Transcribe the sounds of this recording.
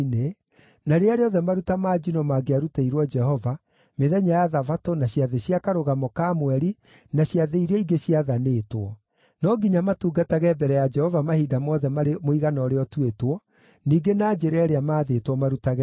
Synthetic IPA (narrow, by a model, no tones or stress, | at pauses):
ne | naɾeaɾeɔðɛmaɾutamaːd͡ʒinɔmaːɡeaɾutaiɾwɔd͡ʒɛhɔva | meðɛɲajaðavatonaɕjaðeɕjakaɾoɣamɔkamwɛɾi | naɕjaðeiɾɛiɡeɕiaðanetwɔ | nɔɡiɲamatuːɡataɣɛbɛɾɛjad͡ʒɛhɔvamahidamɔðɛmaɾemoiɣanɔɾeɔtuetwɔ | niːɡenaːd͡ʒeɾɛːɾeamaːðetwɔmaɾutaɣɛ